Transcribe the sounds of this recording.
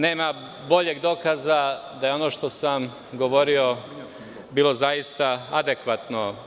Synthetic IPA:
ne̞ːma | bo̞ʎeɡd̪o̞ːkaːzad̪ajeo̞no̞ːʃt̪o̞sam | ɡo̞ʋo̞ɾio̞ | biːlˠo̞zajist̪aad̪ekʋat̪no̞

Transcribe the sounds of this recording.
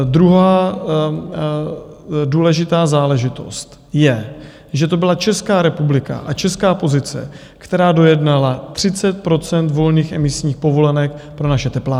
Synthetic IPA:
d̪ɾuɦaː | duːlɛʒɪt̪aːzaːlɛʒɪt̪o̞̰st̪ | jɛ | ʒɛt̪o̞bɪlat͡ʃɛskaːɾɛpublɪka̰ʔat͡ʃɛskaːpo̞zɪt͡sɛ̰kt̪ɛɾaːdo̞jɛdnalat̪r̝̥ɪt͡sɛt̪̚pɾo̞t͡sɛnt̪vo̞lniːxʔɛmɪsɲiːxpo̞vo̞lɛnɛkpɾo̞naʃɛt̪ɛplaː

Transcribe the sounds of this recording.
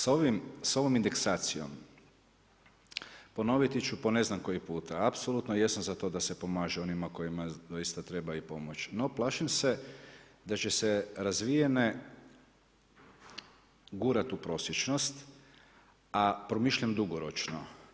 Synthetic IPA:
soʋimso̞ʋomind̪e̞ksaːt̪sio̞̰m | po̞no̞ʋit̪it͡ʃupo̞ne̞znamko̞jipuːt̪aapsolˠut̪nojesanzat̪o̞d̪ase̞po̞maːʒeo̞nimako̞imad̪o̞jist̪at̪ɾe̞baipo̞mo̞t͡ʃno̞plˠaːʃimse̞d̪at͡ɕe̞seɾazʋijene | ɡuɾat̪upɾo̞sjet͡ʃnost̪ | apɾo̞miʃʎamd̪uɡoɾot͡ʃno̰

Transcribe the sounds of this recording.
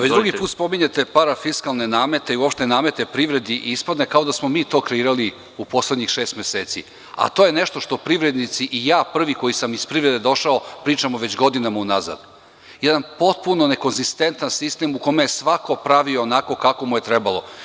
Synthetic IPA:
ʋet͡ɕd̪ɾuɡipuːt̪spo̞miɲet̪e̞paɾafiskalˠne̞naːme̞t̪eiuo̞pʃt̪enaːme̞t̪e̞pɾiʋɾe̞d̪iʔispad̪ne̞kao̞d̪asmomiːt̪o̞ːkɾeiːɾali | upo̞sled̪ɲixʃeːst̪mjeseːt̪sḭ | a̰t̪o̞ːje̞neʃt̪o̞ʃt̪o̞pɾiʋɾed̪nit̪siʔijaːpr̩ʋiko̞jisamispɾivɾe̞d̪ed̪o̞ʃaopɾiːt͡ʃamoʋet͡ɕɡo̞d̪inamaunaza̰d̪ | jɛd̪anpo̞t̪̚puno̞ne̞konzist̪e̞nt̪ansist̪emukomejesʋako̞pɾaʋioːnako̞kako̞muje̞t̪ɾɛbalˠo̞

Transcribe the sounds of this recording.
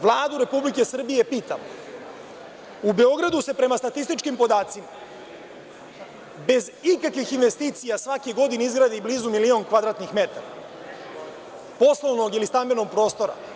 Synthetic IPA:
ʋlˠaːd̪uɾe̞publike̞sr̩bije̞piːt̪a̰mo | ube̞o̞ɡɾad̪use̞pɾe̞mast̪at̪ist̪it͡ʃkimpo̞d̪aːt̪sima | be̞zikakʋixinʋe̞st̪iːt̪sijasʋakeɡo̞d̪ineizɡɾad̪eibliːzumilio̞ŋkʋad̪ɾaːt̪nixme̞t̪aɾa | po̞sloʋno̞ɡilist̪ambeno̞ɡ̚pɾo̞ːst̪o̞ɾa̰

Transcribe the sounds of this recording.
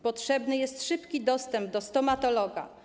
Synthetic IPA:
pɔtʂɛbnɘjɛst̪ʂɘpkʲid̪ɔst̪ɛmb̚d̪ɔst̪ɔmat̪ɔlɔɡa̰

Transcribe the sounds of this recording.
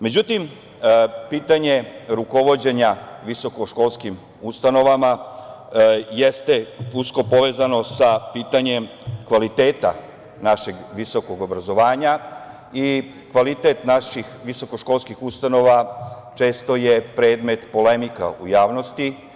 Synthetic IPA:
me̞d͡ʑut̪im | piːt̪aɲe̞ɾuko̞ʋo̞d͡ʑe̞ɲaʋiso̞ko̞ʃko̞lˠskim | ust̪ano̞ʋama | jest̪e̞uskopo̞ʋe̞ːzano̞sapiːt̪aɲe̞m | kʋalit̪e̞ːt̪a̰ | naʃe̞ɡʋiso̞ko̞ɡo̞bɾazo̞ʋaːɲa | i | kʋalit̪et̪naʃixʋiso̞koʃko̞lskixust̪ano̞ʋa | t͡ʃe̞ːst̪o̞jepɾe̞ːd̪me̞t̪po̞le̞mika̰ujaːʋno̞st̪i

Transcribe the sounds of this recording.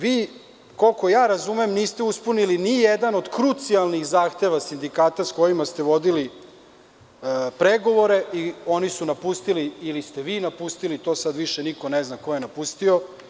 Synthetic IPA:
ʋiː | ko̞lko̞jaːɾazumemniːst̪euspunilinijed̪ano̞d̪kɾut̪sialˠnixzaːxt̪e̞ʋasind̪ikaːt̪asko̞jimast̪eʋo̞d̪ili | pɾeɡo̞ʋo̞ɾe̞io̞nisunapust̪iliːlist̪e̞ʋiːnapust̪ilit̪o̞ːsad̪ʋiʃenikoneznako̞jenapust̪io̞

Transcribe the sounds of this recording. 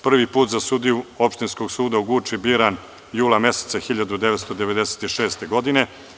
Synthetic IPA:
pr̩ʋipuːt̪zasud̪ijuo̞pʃt̪inskoɡsuːd̪auɡut͡ʂibiɾan | juːlˠame̞set̪saxiʎad̪ud̪eʋet̪st̪o̞d̪eʋe̞d̪ese̥t̪iʃe̞ːst̪e̞ɡo̞d̪ine̞

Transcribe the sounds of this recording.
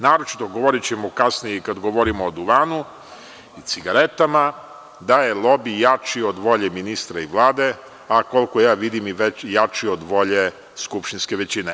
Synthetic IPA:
naːɾo̞t͡ʃi̥t̪o̞ɡo̞ʋoɾit͡ɕemokasnijɛkad̪ɡoʋoɾimoːd̪uʋaːnu | it̪siɡaɾe̞t̪ama | d̪aje̞lˠo̞bijat͡ʃiod̪ʋo̞ʎeminist̪ɾaiʋlˠaːd̪e̞ | ako̞lko̞jaːʋid̪imiʋet͡ɕjat͡ʃiod̪ʋo̞ʎe | skupʃt̪inske̞ʋet͡ɕine

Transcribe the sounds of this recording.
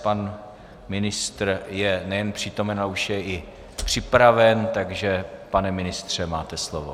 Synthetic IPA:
pan | mɪnɪst̪rjɛnɛjɛnpr̥iːt̪o̞mɛnaɛuʃjɛʔɪ | pr̝̥ɪpɾavɛnt̪aɡʒɛpanɛmɪnɪst̪r̝̥ɛmaːt̪ɛslovo̰

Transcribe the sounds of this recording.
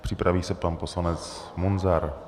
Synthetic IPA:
pr̥ipɾaviːsɛpanposlanɛt͡s | munzaɾ

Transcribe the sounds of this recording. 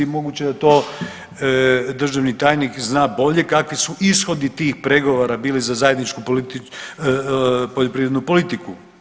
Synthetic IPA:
mo̞ɡut͡ɕed̪at̪o̞ː | d̪r̩ʒaʋnit̪aːjnikznaːbo̞ʎe̞kakʋisuʔisxo̞d̪it̪iːxpɾeɡo̞ʋoɾabiːlizazaje̞d̪nit͡ʃkupli | poʎopɾiːɾed̪nupo̞lit̪iku

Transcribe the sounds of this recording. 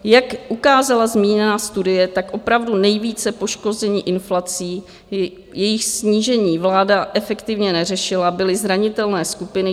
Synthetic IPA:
jakʔukaːzalazmiːɲɛnaːst̪udɪjɛt̪akʔo̞pɾavdunɛjviːt͡sɛpo̞ʃko̞zɛɲiːʔɪnflat͡siː | jɛjɪxsɲiːʒɛɲiːvlaːdaʔɛfɛkt̪ɪvɲɛnɛr̝ɛʃɪlabɪlɪzɾaɲɪt̪ɛlnɛːskupɪnɪ

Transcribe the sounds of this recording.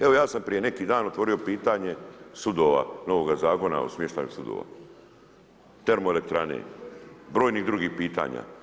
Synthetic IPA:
e̞ʋo̞jaːsampɾije̞ne̞kiːd̪aːno̞t̪ʋo̞ɾio̞piːt̪aɲe̞sud̪o̞ʋa̰no̞ʋoːɡazaːko̞na̰o̰smʲjeʃt̪aːjṵsud̪o̰ːʋa̰ | t̪e̞ɾmoelek̚t̪ɾanḛbɾo̞ːjniɣd̪ɾuɡihpiːt̪a̰ːɲa̰ː

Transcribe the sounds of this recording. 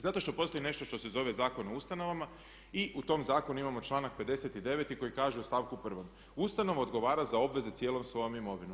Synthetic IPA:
zat̪o̞ʃt̪o̞po̞st̪ojine̞ʃt̪o̞ʃt̪o̞se̞zo̞ʋe̞zaːko̞noust̪ano̞ʋama | iʔut̪o̞mzaːko̞nuimamo̞t͡ʃlˠaːnak̚pe̞d̪e̞se̞t̪id̪e̞ʋet̪iko̞jikaːʒeost̪aːʋkupr̩ʋo̞m | ust̪ano̞ʋoːd̪ɡo̞ʋaːɾazao̞bʋe̞ze̞t̪jeːlˠo̞msʋo̞jomimo̞ʋinu

